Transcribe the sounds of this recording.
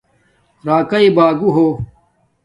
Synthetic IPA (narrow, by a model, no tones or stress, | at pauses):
ɾaːkɐibaːɡuɦoː